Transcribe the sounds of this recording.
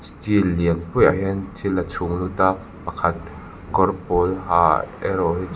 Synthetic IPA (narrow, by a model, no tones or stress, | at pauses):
st̪ilːiənpujʔa̰ɦɛnt̪ʰilːɐt͡sʰuŋlut̪aː | pɐkʰɐt̪̚ | kɔrpɔlhaːɛɾɔɦi